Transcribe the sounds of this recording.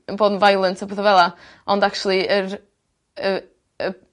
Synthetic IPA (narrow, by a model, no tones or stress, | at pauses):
ənboːdn̩vajlˠəntʰɔboðəvɛlˠa | ɔndak̚t͡ʃwlˠiər | ə | ə